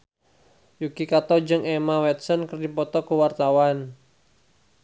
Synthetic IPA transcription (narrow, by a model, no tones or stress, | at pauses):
jukikat̪ɔd͡ʒɨŋɛmawɛt̪̚sɔnkərdipɔt̪ɔkəwart̪awan